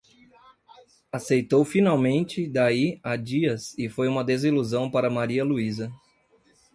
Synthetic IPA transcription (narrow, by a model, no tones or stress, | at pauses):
asejt̪owfinawmẽnt͡ʃɪd̪aiad͡ʒiɐsɪfojũmɐd̪eziluzɐ̃w̃paɾɐmaɾiɐluizɐ